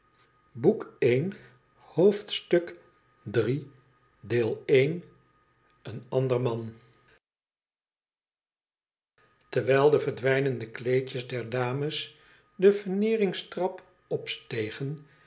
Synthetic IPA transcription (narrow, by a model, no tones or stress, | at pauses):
bukejn | howftstɵk | dri | deːlˠejn | ənɑndəɹmɑn | təɹʋɛjlˠdəvəɹdʋɛjnəndəklejt͡ʃəzdɛɹdaːməs | dəvəɹnɪːrɪŋstrɑp | ɔpstejχən